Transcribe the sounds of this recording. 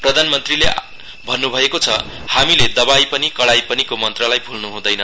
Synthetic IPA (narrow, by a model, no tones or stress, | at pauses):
prʌd̪ʱanmʌnt̪rile | bʱʌnːubʱʌekot͡sʰʌhamiled̪ʌbajpʌnikʌɽajpʌnikomʌnt̪rʌlajpʰulnuɦũd̪ʌjnʌ